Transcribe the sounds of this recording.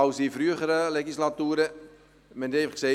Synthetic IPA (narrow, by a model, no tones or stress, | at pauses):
ɐwsifryəχəɾəleχislatuːɾə | mɛnejfχəse